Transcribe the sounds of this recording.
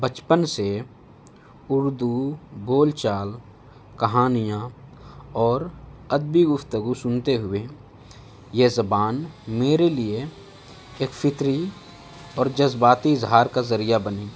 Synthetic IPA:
bət͡ʃpənse | ʊɾd̪uboːlt͡ʃaːl | kɐɦaːnijã | ɔːɾəd̪̚biɡʊfʰt̪əɡusʊnt̪eɦʊe | jezəbaːnmeːɾelie | eːkfʰɪt̪ɾi | ɔːɾd͡ʒəzbaːt̪iɪzɦaːɾkazəɾijabəniː

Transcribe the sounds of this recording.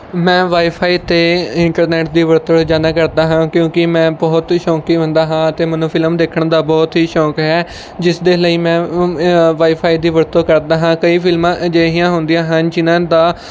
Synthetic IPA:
mɛ̃ːʋaːiːpʰaːiːt̪eːɪɳʈəɾnɛːʈ̚d̪iːʋəɾt̪əɽd͡ʒaːnaːkəɾd̪aːɦãːkjõːkɪmɛ̃ːbɔːt̪ʃɔ̃ːkiːõnd̪aːɦãːət̪eːmənũːpʰɪləmd̪eːkʰəɳd̪aːbɔːt̪ɦiːʃɔ̃ːkɦɛː | d͡ʒɪsd̪eːləiːmɛ̃ː | ʋaːiːpʰaːiːd̪iːʋəɾt̪õːkəɾd̪aːɦãːkəiːpʰɪlmãːd͡ʒəːɦĩjãːɦʊnd̪ijãːɦənd͡ʒɪnãːd̪aː

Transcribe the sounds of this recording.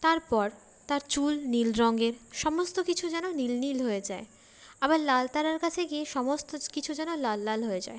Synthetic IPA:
t̪aɾpɔɾ | t̪aɾt͡ɕulnilɾɔŋɡeɾʃɔmost̪okit͡ɕʰud͡ʑɛnonilnilɦoed͡ʑae | abaɾlalt̪aɾaɾkat͡ɕʰekieʃɔmost̪okit͡ɕʰud͡ʑɛnolalːalɦoed͡ʑa̰e

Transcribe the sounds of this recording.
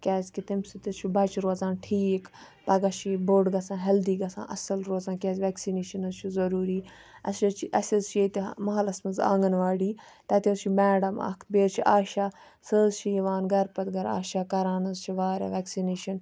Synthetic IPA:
kʲɛːzʲkit̪imsit̪it͡ʃʰibɐt͡ʃɾoːzãːnʈʰiːkpɐɡɐʃiboɖɡɐsãːɦɐld̪iːɡɐsʰã̰ːʔɐ̰sɐlɾoːzãːkʲɛːzʲʋɛːksineːʃɐnɐzt͡ʃʰizɐɾuːɾiː | ɐsɐt͡ʃʰiʔɐsʲɐzt͡ʃʰet̪imɐɦɐlɐsmɐnza̰ːŋɡɐnʋaːɽiː | t̪ɐt̪iɐst͡ʃʰimɛːɽɐmɐ̰kʰbeːɾt͡ʃʰiʔaːʃaː | səːzt͡ʃʰiʋaːnɡɐɾpɐt̪ɡɐɾa̰ːʃaːkɐɾaːnɐzt͡ʃʰiʋaːɾa̰ʋɛːksineːʃɐn

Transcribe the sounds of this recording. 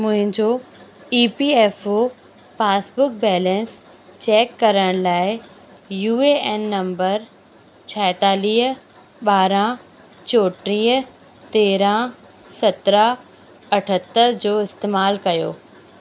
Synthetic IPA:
mʊ̃ɦɪ̃ɲd͡ʑoiːpiːeːfo | faːsbʊk̚bɛːlɛ̃ns | t͡ɕɛːkːɐɾəɽ̃laːɪ | juːeɛːnːɐ̃mbəɾ | t͡ɕʰɛɪt̪aːliːɦ | ɓaːɾã | t͡ɕoːʈɾiːɦ | t̪eːɾã | sɐt̪ɾə | ɐʈʰət̪ːəɾd͡ʑoːɪst̪eːmaːlkɐjo̰ː

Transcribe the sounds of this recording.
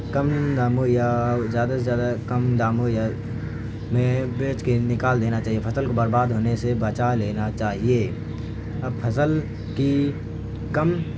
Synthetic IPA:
kɐmd̪aːmojazjaːd̪azjaːd̪akɐmd̪aːmoja | mẽbeːt͡ʃkenɪkaːld̪eːnat͡ʃaːɦiepʰɐsəlkobɐɾbaːd̪ɦoːnesebɐt͡ʃaleːnat͡ʃaːɦieː | ɐb̚pʰɐsəl | ki | kəm

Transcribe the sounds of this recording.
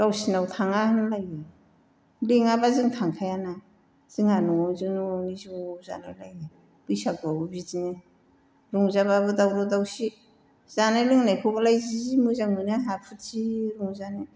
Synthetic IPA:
ɡ̥awsinawtʰaŋahanlaje | leŋabaziŋtʰaŋkʰajana | z̥iŋanɔŋawzɯnuŋawniziza̰najlaj | b̥ɯjsak̚babubizine | ɾuŋzaβabɯdawɾɔdawsi | z̥anajliŋnajkʰɔɡalajzizimuzaŋmɯnaɦapʰɯtsiɾuŋzane

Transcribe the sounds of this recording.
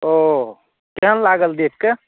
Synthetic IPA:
o | kɛɦənlaɡəld̪ek̪̚ke

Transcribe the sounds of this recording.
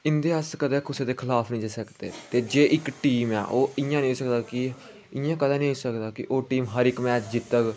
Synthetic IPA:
ɪnd̪eːəskəd̪eːkʰʊseːd̪eːkʰɪlaːpʰnĩːd͡ʒeːsəkd̪eːt̪eːd͡ʒeːʔɪkʈiːmɛ̰ːʔoːɪjãːnĩːsəkd̪aːkɪ | ɪjãːkəd̪ãːnĩːɦosəkd̪aːkɪʔoːʈiːmɦəɾɪkmɛːt͡ʃd͡ʒɪt̪ːək

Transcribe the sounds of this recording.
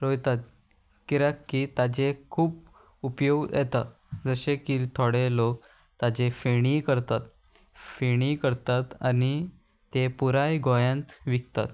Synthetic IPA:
ɾojt̪at̪̚ | kiɾakːiːt̪ad͡ʑekʰuːp | upjoɡjɛt̪a̰ | d͡zəɕekit̪ʰoɽelok̚ | t̪ad͡ʑefeɽ̃ikəɾt̪at̪ | feɽ̃ikəɾt̪at̪ani | t̪epuɾajɡojãnt̪ʋik̚t̪a̰t̪

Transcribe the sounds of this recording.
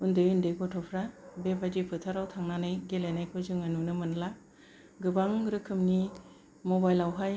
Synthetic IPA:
undɯjundɯɡɔtʰɔpʰɾabebad͡ʒipʰɯtʰaɾawtʰaŋnanɯjɡelenajkʰɯzɯŋanunɯmɯnla | ɡɯbaŋɾɯkʰɯmni | mobajlawɦaj

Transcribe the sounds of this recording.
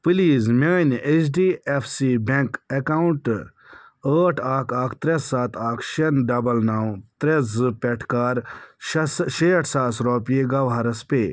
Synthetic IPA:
pɨliːzmʲeːnet͡ʃɖiːefʰsiːbeŋkekawuɳʈ | əːʈʰaːkaːkʰt̪ɾesːaːt̪aːkʰʃenɖɐbɐlnaːwt̪ɾezɨpʲɛʈʰkaːɾ | ʃeːʈʰsaːsɾoːpeɡɐʋɦɐɾɐspeː

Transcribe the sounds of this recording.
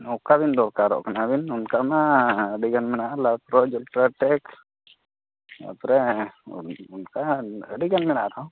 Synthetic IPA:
ɔkabind̪ɔɾkaɾɔ̰ʔkanabinunkamaəɖiɡanmɛnaʔlapɾɔd͡ʒulʈɾaʈɛk | a̰pɾɛ | unkaəɖiɡanmɛnaʔɾɔ

